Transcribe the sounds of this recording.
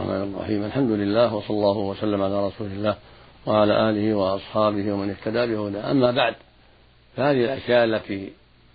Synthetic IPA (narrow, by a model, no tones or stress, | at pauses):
ħmʔa̰ːnrˤːɑ̰ħiːmʔalħamd̪ʊlɪlːaːhwɑsˤɑlːɑːhʊwasalːamʕalaːɾˤɑsuːlɪlːaːh | waʕalaːʔaːlɪhɪwɑʔɑsˤħɑːbɪhwamɪnɪht̪ad̪aːbɪhʊd̪aːʔa̰mːaːbaʕd̪ | fahaːðɪhɪlʔaʃjaːʔalːat̪iː